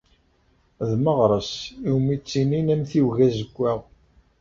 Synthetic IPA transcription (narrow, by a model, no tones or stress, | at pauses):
ðməʁɾˤəsiwmit͡sːininæmθiwʝæzəkʷːæʁ